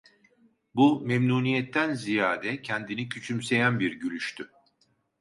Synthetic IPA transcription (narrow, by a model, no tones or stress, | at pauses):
bumemnuːnijɛt̪ʰːænzijaːd̪ɛcʰɛnd̪inicʰyt͡ʃʰymse̞jænbiɾɟylʲyʃt̪ʰy